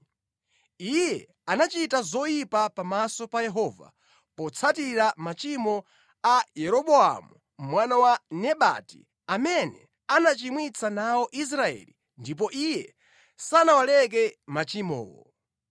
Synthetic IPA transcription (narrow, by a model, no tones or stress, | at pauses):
ijɛ | anat͡ʃitazɔjipapamasɔpajɛɦɔːva̰ | pɔt͡sʰatiɾamat͡ʃimɔ | ajɛɾɔɓɔa̰mu | mwanawanɛɓa̰tḭ | amɛnɛ̰ | anat͡ʃimwit͡sʰanaɔʔis̬ɾaɛ̰lḭ | ndip̬ɔʔijɛ | sanawalɛk̬ɛmat͡ʃimɔ̰ːwɔ̰